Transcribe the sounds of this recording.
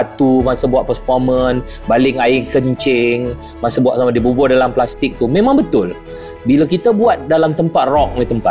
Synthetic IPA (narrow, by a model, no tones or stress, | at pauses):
t̪umasəbuat̪̚pərfɔmə̃n | balɪŋaɪŋkəɲt͡ʃɪŋ | masəbuatʔ̚samadibubʊhdalamplast̪ɪk̚t̪umẽmãŋbət̪ʊl | bilakit̪abuat̪̚dalamt̪əmpat̪̚rɔk̚ət̪əmpa